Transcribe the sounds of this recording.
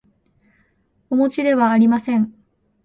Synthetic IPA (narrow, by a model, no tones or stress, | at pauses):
omo̞t͡ɕid̪e̞βaːɾʲimasẽ̞ɴ